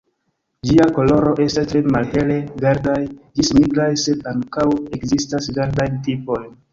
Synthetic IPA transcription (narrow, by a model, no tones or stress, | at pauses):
d͡ʒiako̞lo̞ɾo̞ʔe̞stastɾe̞malhe̞le̞ɡaɾdajd͡ʒismiɡɾajse̞daŋkawe̞kzistasɡaɾdajntipo̞jn